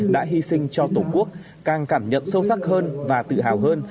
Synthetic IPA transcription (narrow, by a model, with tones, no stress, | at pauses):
ɗa̰ː˧˥ɦi˧sï˧ŋ̟t͡ɕɔ˧t̪o˧˩ku˦˥ək̚ | kaː˨˩ŋkaː˧˩mɲə̰˧˨msə˧wsa˦˥k̚həː˧nvaː˨˩t̪ɨ̰˧˨ɦaː˨˩wɦəː˧n